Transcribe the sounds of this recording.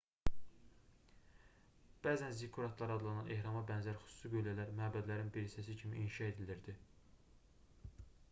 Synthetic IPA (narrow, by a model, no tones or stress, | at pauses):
b̥æːzænzikʰːuɾɑt̪ʰlˠɑɾɑd̪lˠɑnɑnʔe̞hɾɑmɑbænzæɾxy̥su̥sɯɡøjlælæɾmæːbæd̪læɾinbiɾisæs̬icʰimiʔinʃɑe̞d̪iliɾd̪i